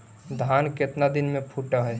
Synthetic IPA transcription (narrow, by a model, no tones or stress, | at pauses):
d̪ʱaːnket̪nad̪ɪnmẽpʰuʈəɦɛ